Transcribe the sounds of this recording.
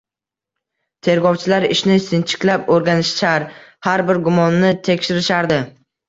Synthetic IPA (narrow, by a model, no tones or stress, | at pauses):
t̪ʰe̞ɾɡɒwt͡ʃʰɪlaɾɪʃnɪsɪnt͡ʃʰɪ̥kʲlapoɾɡʲanɪʃʃaɾhaɾbɪɾɡʊmɒnːɪt̪ʰe̞kʲʃɪɾɪʃaɾd̪ɪ